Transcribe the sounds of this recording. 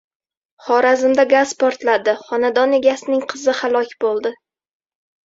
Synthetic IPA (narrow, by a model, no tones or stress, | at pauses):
χɒɾazɪmd̪aɡazpʰɒɾt̪lad̪ɪχɒnad̪ɒne̞ɡʲasɪnɪŋqʰɨzɪhalˠɒkʲbolˠd̪ɪ